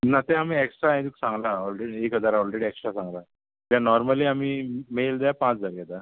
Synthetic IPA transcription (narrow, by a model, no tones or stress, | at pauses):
nat̪ɛ̃amiːeksʈɾaãd̪iksãŋɡlaɔlɾeɽiekɦəd͡zaɾɔlɾeɽieksʈɾasãŋɡla | d̪ãnɔɾməliːamiːmejld̪aapãt͡sd͡zaɾjɛt̪a